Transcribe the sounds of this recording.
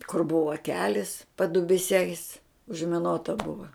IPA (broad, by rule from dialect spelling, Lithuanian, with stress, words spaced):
kʊr ˈbʊʋɐ ˈkʲæːlʲɪs pɐdʊbʲɪˈsʲɛɪs ʊʒʲmʲɪˈnoːtɐ ˈbʊʋɐ